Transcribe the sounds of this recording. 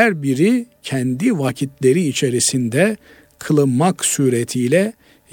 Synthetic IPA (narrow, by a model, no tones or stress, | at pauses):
æɾbiɾicʰɛnd̪ivacʰit̪ʰlʲe̞ɾiːt͡ʃʰe̞ɾisind̪ɛ | kʰɯlˠɯnmaksuːɾet̪ʰijlʲɛ